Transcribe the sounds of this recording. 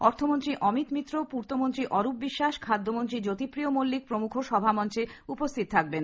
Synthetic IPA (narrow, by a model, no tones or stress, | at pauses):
ɔɾt̪ʰomont̪ɾiʔɔmit̪mit̪ːɾopuɾt̪omont̪ɾiʔɔɾup̚biʃːaʃkʰad̪ːomont̪ɾid͡ʑot̪ipɾijomolːik̚pɾomukʰoʃɔbʱamɔnt͡ɕeupost̪ʰit̪̚t̪ʰak̚ben